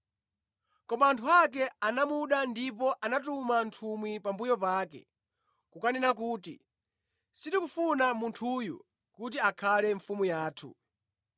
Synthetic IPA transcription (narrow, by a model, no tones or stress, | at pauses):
kɔmaːntʰuak̬ɛanamuɗandipɔʔanat̬umantʰumwipambujɔpaːkɛ̰ | kukanɛnakuːtḭ | sindikufunamuntʰuːjṵ | kut̬iakʰalɛɱfumujaːtʰṵ